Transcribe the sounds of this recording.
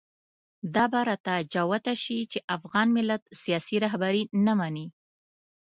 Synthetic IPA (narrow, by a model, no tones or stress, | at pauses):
d̪ɑbaɾɑt̪ad͡ʒɑwat̪aʃit͡ʃeʔafɣɑnmɪlat̪sijɑsiɾɑɦbaɾinamani